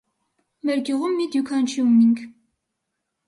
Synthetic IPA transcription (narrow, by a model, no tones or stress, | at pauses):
mɛɾɡjuʁumːid̪jukʰɑnt͡ʃʰjumːiŋkʰ